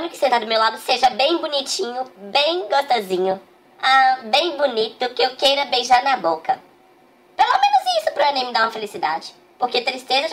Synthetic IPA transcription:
nʊkɪ̥sẽnt̪aɾd̪ʊmewlad̪ʊseʒɐbẽj̃bunit͡ʃĩɲʊbẽj̃ɡost̪ozĩɲʊ | ãbẽj̃bunit̪ʊkɪewkejɾɐbejʒaɾnɐbokɐ | pelomẽnʊzisʊpɾʊɐ̃nẽj̃mɪd̪aũmɐfelisid̪a̰d͡ʒɪ̥ | poɾket̪ɾist̪ezɐ

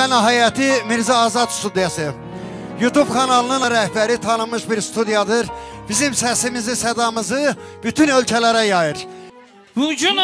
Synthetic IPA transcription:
ænɑɦæjɑt̪ʰimiɾzɑːzɑd̪st̪ud̪ijɑsɯ | jut̪ʰub̥kʰɑnɑlˠɯnɯnɾæhbæɾit̪ʰɑnɯmɯʃbiɾst̪ʰud̪ijɑd̪ɯɾ | b̥izimsæsimizisæd̪ɑmɯzɯb̥yt̪ʰynø̞lʲcʰælæɾæjɑjɯɾ | bud͡ʒun

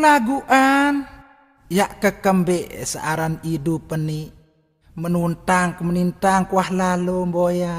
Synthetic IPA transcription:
laɡuʔan | jaʔkəkəmbɛʔsa̰ʔaɾanidupəni | mənunt̪aŋkmənint̪aŋkwahlalomboja

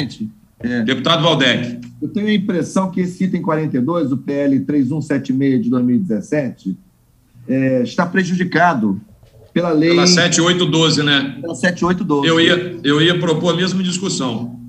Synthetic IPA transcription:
t͡ʃɪ | ɛd̪epu̥t̪ad̪ʊvawd̪ɛkɪewt̪ẽɲʊɐĩpɾesɐ̃w̃kɪesɪit̪ẽj̃kwaɾẽt̪ejd̪ojzʊpeɛlɪt̪ɾejzũsɛt͡ʃimejɐd͡ʒɪd̪ojzmiwid͡ʒɪzesɛt͡ʃɪ | ɛiʃt̪apɾeʒud͡ʒikad̪ʊ | pelɐlejasɛt͡ʃɪojt̪ʊd̪ozɪnɛlasɛt͡ʃɪojt̪ʊd̪ozewiɐewiɐpɾopoɾmezmʊĩd͡ʒiskusɐ̃w̃

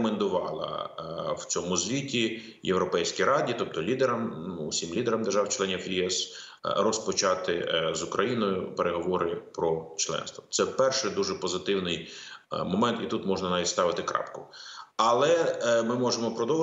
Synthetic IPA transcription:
mend̪ʊʋɑlˠɐ̰w̥t͡sʲɔmʊzʋʲitʲi | jewɾɔpɛjsʲkʲijɾɑdʲit̪ɔp̚t̪ɔlʲid̪ɛɾɐmʊsʲimlʲid̪eɾɐmd̪eʒɑwt͡ʃlˠɛnʲifjiɛs | rɔspɔt͡ʃɑt̪ɪzʊkɾʔɐjinɔjʊpeɾʔeɦɔʋɔɾɪpɾɔt͡ʃlˠɛ̰nst̪ʋɔt̪sɛpɛrʃɪd̪uʒɛpɔzɪt̪ɪwnɪjmɔmɛnt̪it̪ut̪mɔʒnɐnɑʋʲitʲst̪ɑʋɪt̪ɪkɾɑ̰pkʊɐlˠɛmɪmɔʒemɔpɾɔd̪ɔw

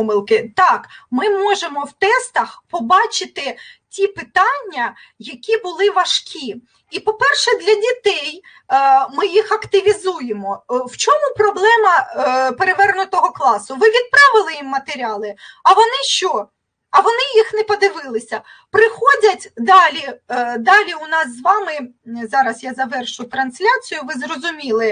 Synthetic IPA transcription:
mɪlˠkɪt̪ɑkmɪmɔʒemɔwt̪ɛst̪ɐxpɔbɑt͡ʃɪt̪ɪtʲipɪt̪ɑnʲːɐ | jɐkʲibʊlˠɪʋɐʃkʲi | ipɔpɛrʃɛd̪lʲɐdʲit̪ɛj | mɪjixɐkt̪ɪʋʲizujemɔwt͡ʃɔmupɾɔblˠɛmɐpeɾeʋɛrnʊt̪ɔɦɔklˠɑsʊʋɪʋʲid̪̚pɾɑʋɪlˠɪjimːɐt̪eɾʲɑlˠɪɐʋɔnɪʃt͡ʃɔ | ɐʋɔnɪjixnɛpɔd̪ɪʋɪlˠɪsʲɐ | pɾɪxɔdʲɐtʲd̪ɑlʲid̪ɑlʲiʊnɑszʋɑmɪzɑɾɐsjazɐʋɛrʃʊjt̪ɾɐnsʲlʲat͡sʲijʊʋɪzrɔzʊmʲilˠɪ

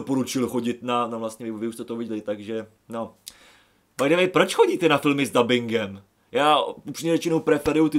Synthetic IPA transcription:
opo̞ɾut͡ʃɪlxo̞ɟɪt̪nanavlast̪ɲɛvɪvɪust̪ɛt̪ovɪɟlɪt̪aɡʒɛ | no | maɡdɛvɛjpɾo̞t͡ʃxo̞ɟiːt̪ɛnafɪlmɪzdabɪŋɡɛm | jaːupʂɪmɲɛvɛt͡ʃɪnowpɾɛfɛɾujut̪ɪ

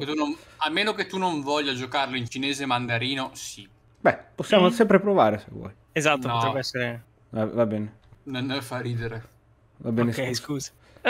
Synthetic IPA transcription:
et̪ːuno | almeːnoket̪ːunoɱvɔʎːad͡ʒokarloint͡ʃineːzemand̪aɾiːnosi | bɛposːjaːmosɛmpɾepɾovaːɾesḛvwɔ̰j | ezat̪ːopoɛbɛsːeɾe | avabɛːne | nonefariːd̪eɾe | vabɛːnekɛskuːzi̥

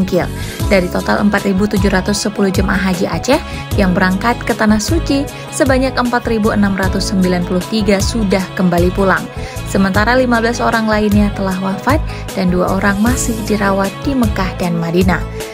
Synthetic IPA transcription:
ŋkɪldaɾit̪ot̪alə̰mpat̪ribut̪ud͡ʒuɦɾat̪ʊsːəpuluhd͡ʒəma̰ɦad͡ʒiʔa̰t͡ʃɛh | jaŋbəɾaŋkat̪̚kət̪anahsut͡ʃi | səbaɲakəmpat̪ɾibuənamrat̪ʊsːəmbilanpulʊht̪iɡasudahkəmbalipulaŋsəmənt̪aɾalimabəlasoɾaŋlainɲat̪əlahwafat̪̚ | d̥andua̰ʔoɾaŋmasɪhdiɾawat̪̚d̥iməkahdanmadina

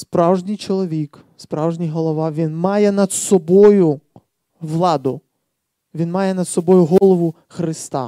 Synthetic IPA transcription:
spɾɑwʒnʲijt͡ʃɔlˠɔʋʲikspɾɑwʒnʲijɦɔlˠɔʋɑʋʲinmɑjɛnɐd̪sɔbɔjʊ | ʋlˠɑd̪ʊ | ʋʲinmɑjɛnɐd̪sɔbɔjʊɦɔlˠɔʋʊ | xɾɪst̪ɑ̰

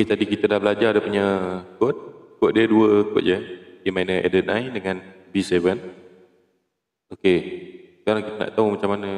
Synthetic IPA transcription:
oket̪adikit̪ədahbəlad͡ʒadəpuɲəkot̪̚kʊt̪̚diəduəkʊ̰t̪̚d͡ʒəəmajnəʔḛdət̪̚ʔa̰jdəŋan | bisevən | okesəkaɾaŋkit̪əna̰ʔt̪aumat͡ʃamanə

